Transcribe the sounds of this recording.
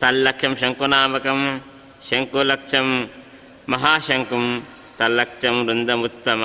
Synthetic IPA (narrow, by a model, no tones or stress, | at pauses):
t̪ɐlːɐkʂɐmʃɐŋkunaːmɐkɐm | ʃɐŋkulɐkʂɐmː | ɐɦaːʃɐŋkum | t̪ɐlːɐkʂɐmɾund̪ɐmut̪ːɐmɐ